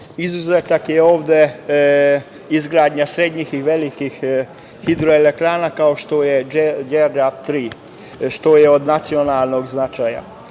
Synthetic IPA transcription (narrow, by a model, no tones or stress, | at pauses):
izuzeːt̪akjeo̞ːʋd̪e | izɡɾaːd̪ɲasɾed̪ɲixiʋe̞likixː | id̪ɾoelek̚t̪ɾaːnakao̞ʃt̪ojed͡ʒedap̚t̪ɾiː | ʃt̪ojeod̪nat̪sio̞naːlˠno̞ɡznat͡ʃaːja̰